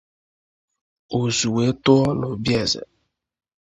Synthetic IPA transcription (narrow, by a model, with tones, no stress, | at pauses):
o˨zu˨we˨˦tʊ˦ɔ˦lo˨bjɛ˦˨zɛ̰˨